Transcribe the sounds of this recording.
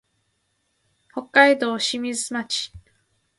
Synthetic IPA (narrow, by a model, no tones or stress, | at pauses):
ho̞kːaid̪o̞ːɕimʲizɨmat͡ɕi̥